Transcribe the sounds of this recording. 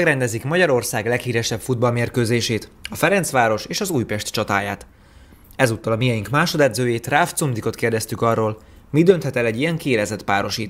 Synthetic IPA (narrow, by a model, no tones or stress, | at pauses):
ɛɡɾɛnd̪ɛzikmɒɟɒɾo̞rsaːɡlɛkhiːɾɛʃɛpfud̪̚bɒlmeːrkøːzeːʃeːt̪ɒfɛɾɛnt̪sʋaːɾo̞ʃeːʃɒzuːjpɛʃt̪t͡ʃɒt̪a̰ːjaːt̪ | ɛzuːt̪ːɒlɒmijɛjiŋkmaːʃo̞d̪ɛd̪zøːjeːt̪raːft̪sumd̪iko̞t̪keːrd̪ɛst̪ykɒrːoːl | mid̪ø̞nt̪hɛt̪ɛlɛɟːiɛŋkiːlɛzɛt̪paːɾo̞ʃiːt̪